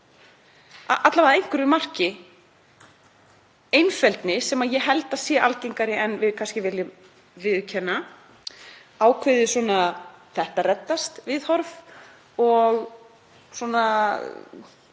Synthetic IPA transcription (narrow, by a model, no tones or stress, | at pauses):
a̰ʔat̪lavaðejŋ̥kʏɾʏmar̥cɪ | ejnfɛlt̪nɪsɛmaðjɛɦɛlt̪asjɛːʔa̰lcejŋkaɾɪʔɛnvɪðkʰanscɪvɪljʏm | vɪðcʰɛnːa | aːwkʰvɪðɪsɔːnaθɛht̪arɛt̪ːast̪vɪðhɔɾv | ɔɣ | swɔna